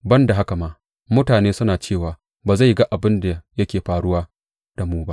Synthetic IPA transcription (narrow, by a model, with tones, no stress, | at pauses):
bɐ˦nda˨ɦa˦ka˨maː˨ | mʊ˦taː˨neː˦sʊ˦naː˨t͡ʃeː˦˨waː˨ | baː˨za˦˨jɡa˦ʔa˨bɪ˦nda˨jɐ˦kʲeː˨ɸaː˨ɽʊ˦waː˦ | d̥a˨muː˦ba˦ʔ